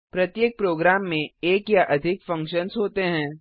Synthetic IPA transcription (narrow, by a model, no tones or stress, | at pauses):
pɾɐt̪jeːk̚pɾoːɡɾaːmːẽeːkjaʔɐd̪ʱɪkfɐ̃ŋkʃənsɦoːt̪eɦɛ̃ː